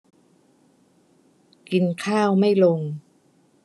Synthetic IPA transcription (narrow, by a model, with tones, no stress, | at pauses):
ki˧nkʰaː˥˩wma˥˩jlo˧ŋ